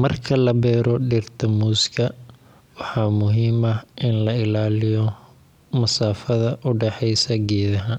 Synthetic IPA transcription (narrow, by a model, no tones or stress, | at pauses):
mɐrkʰɐlɐbɛːɾɔɖɪrt̪ʰɐmuːskʰɐ | wɑħɑːmʊɦiːmɐʔɪnlɐɪlaːlɪjɔ | mɐsaːfɐðɐʔʊɖɛħɛjsɐɡɛːðɐɦɐn